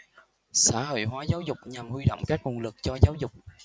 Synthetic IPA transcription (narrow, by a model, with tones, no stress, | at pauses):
sa̰ː˧˥ho̰˧˨jɦwaː˨˦zaː˨˦wzʊ˨˩k͡p̚ɲa˨˩mhwi˧ɗo̰˧˨wŋ͡mkaː˦˥k̚mu˨˧˩ŋlɨ˨˩k̚t͡ɕɔ˧zaː˨˦wzʊ˨˩k͡p̚